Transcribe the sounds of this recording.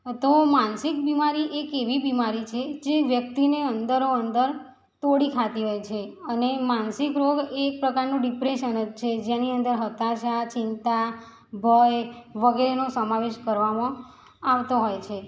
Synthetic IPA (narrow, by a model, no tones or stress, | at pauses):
t̪omansɪk̚bimaɾiʔekeʋibimaɾit͡ʃʰed͡ʒeʋjək̚t̪ineənd̪əɾoənd̪əɾ | t̪oɽikʰat̪iɦojt͡ʃʰeənemansɪkɾoɡek̚pɾəkaɾnũɖipɾeʃənəd͡ʒt͡ʃʰed͡ʒaniənd̪əɾɦət̪aʃat͡ʃɪnt̪a | bʱəjʋəɡeɾenosəmaʋeʃkəɾʋamã | aʋt̪oɦojt͡ʃʰe